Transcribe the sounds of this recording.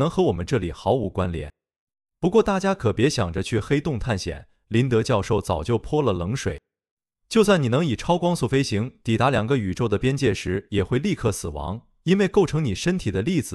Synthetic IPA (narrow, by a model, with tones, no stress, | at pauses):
nɤ˧˥ŋxɤ˧˥wɔ˨˩mə˦nʈ͡ʂɤ˥˩li˨˩xɑ˧˥ʊu˧˥kwa˥nljɛ̰˨˧˥n | pu˧˥kwɔ˥˧t̪a˥˩t͡ɕja˥kʰɤ˨˩pjɛ˧˥ɕjɑ̰˨˩ŋʈ͡ʂə˦t͡ɕʰy˥˩xe˥ɪt̪ʊ˥˧ŋt̪ʰa˥˩nɕjɛ̰˨˩˦n | li˧˥nt̪ɤ˧˥t͡ɕjɑ˥˧ʊʂo˥˩ʊt͡sɑ˨˩ʊt͡ɕjo˥˩ʊpʰwɔ˥lə˨lɤ˧˥ŋʂwḛ˨˩˦ɪ | t͡ɕjo˥˧ʊswa˥˩ni˨˩nɤ˧˥ŋi˨˩ʈ͡ʂʰɑ˥ʊkwɑ˥ŋsu˥˩fe˥ɪɕi˧˥ŋt̪i˨˩t̪a˧˥ljɑ˨˩ŋɡə˦y˨˩ʈ͡ʂo˥˩ʊd̪ə˩pjɛ˥nt͡ɕjɛ˥˩ʂɻ̩˧˥jɛ˨˩xwe˥˧ɪli˥˧kʰɤ˥˩sɹ̩˨˩wɑ̰˧˥ŋ | i˥nwe˥˧ɪko˥˩ʊʈ͡ʂʰɤ˧˥ŋni˨˩ʂə˥nt̪ʰi˨˩d̪ə˦li˥˩d͡zɹ̩˩